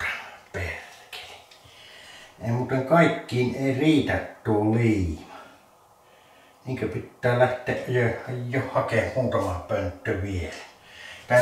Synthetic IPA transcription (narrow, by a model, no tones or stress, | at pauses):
ɑ̥perke̥ː | emuːt̪eŋkɑˑikːiːneˑiriːt̪æt̪ːuːlliːmɑ | niːŋkøpit̪ːæːlæht̪ˑeːʔʔjøɑjjohhɑkehmuːt̪ɑmɑpønt̪ːøʋielæt̪ɑi